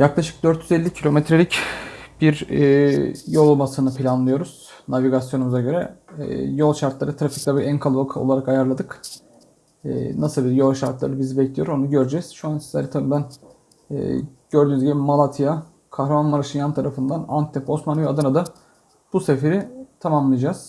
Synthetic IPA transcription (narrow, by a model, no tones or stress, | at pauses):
jaklˠaʃɯ̥k̚d̪øɾt̪ʰjyzɛlʲːicʰilʲo̞met̪ʰɾelʲicb̥iɾ | jo̞lˠmasɯnɯpʰilʲanlˠɯjo̞ɾuz̥naviɡasjo̞numuzaɟø̞ɾɛ | jo̞lˠʃaɾt̪lˠaɾɯt̪ʰɯɾafi̥clabiɾænkʰalˠɯbakʰɯo̞̰lˠaɾakajaɾlˠad̪ɯk | nasɯlˠbijo̞lˠʃaɾt̪lˠa̰ɾɯbizibɛcʰlʲijo̞ɾo̞nuɟø̞ɾd͡ʒɛz̥ʃuansizʲɛɾɛt̪ʰabibæn̰ː | ɟ̥øɾd̪yːnyzɟibimalˠat̪ʰija | kʰahɾamanmaɾaʃɯnjant̪ʰaɾafɯnd̪anant̪ʰːɛpo̞smanijad̪ɯnad̪a | b̥usefeɾit̪ʰamamlˠɯjad͡ʒaz̥